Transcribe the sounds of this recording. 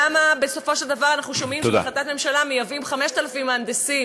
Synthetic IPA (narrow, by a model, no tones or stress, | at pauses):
amabe̞so̞fo̞ʃeld̪avaʁanaχnuʃo̞mimt̪oda̰χlat̪at̪me̞mʃalamejavimχameʃt̪alafimaːnd̪esim